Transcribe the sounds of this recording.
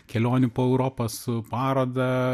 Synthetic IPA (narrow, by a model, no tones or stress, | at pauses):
kʲɛlʲoːnʲʊpoːɛʊɾoːposʊpɑːɾoːd̪ɐ